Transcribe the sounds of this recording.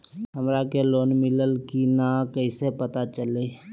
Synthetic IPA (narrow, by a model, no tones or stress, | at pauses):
ɦəmɾakeloːnmɪləlkinakəisepət̪at͡ʃəleː